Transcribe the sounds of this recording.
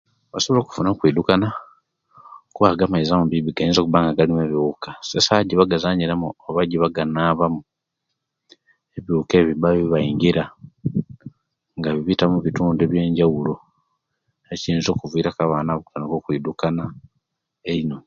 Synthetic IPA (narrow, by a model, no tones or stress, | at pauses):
βaso̞βolo̞ku̥funakwiːdukana | kuβaɡamaizamumbiβiɡaiːnzo̞kuβaːŋɡaɡalimeβiukasesaɟiβaɡazaːɲiɾamuoβaɟiβaɡanaːβamu | e̞βjuːke̞ːβibaiβaiɲɡiɾa | ŋɡaβiβitamuβituːndeβje̞ːɲɟawulo | eciiːnzo̞ːkuvwiːɾakaβaːnaβukutanokokwiːdukana | eino̞